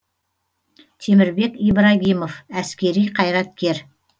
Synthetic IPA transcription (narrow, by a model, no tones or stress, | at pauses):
t̪ʰe̞mɪɾbe̞kʲijbɾɑɡʲimofæskʲe̞ɾijqʰɑjɾɑt̪̚kʲe̞ɾ